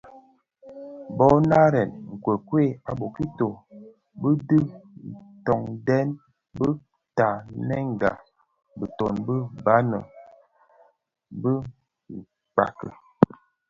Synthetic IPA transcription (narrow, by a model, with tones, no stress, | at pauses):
bɔ˦na˦ɾɛ˨nŋ̩˨kwə˨kwe˦˨a˨bo˨ki˦to˨ | bə˦də˦n̩˨tɔ˨ŋdɛ˦n | bə˦ | ta˨nɛ˦ŋ˨ɡa̰˨ | bə˨to˨nbə˦ba˦nə̰˨ | bə˦˨ | k͡pa̰˨kə̰˨